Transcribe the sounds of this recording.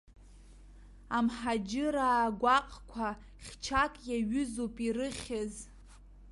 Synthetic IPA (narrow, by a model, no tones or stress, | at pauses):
amħad͡ʒɪɾaːɡʷaqʼkʷʰa | χʲt͡ʃʰakʼjaɥʏzopʼirɨχʲɪz